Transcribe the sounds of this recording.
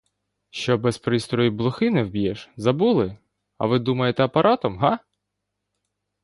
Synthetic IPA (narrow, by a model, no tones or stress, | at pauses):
ʃt͡ʃɔbɛspɾɪst̪ɾɔjiblˠʊxɪnɛwbʲjɛʃzɐbulˠɪ | ɐ̰ʋɪd̪umɐjet̪ɛɐpɐɾʔɑt̪ɔmɦa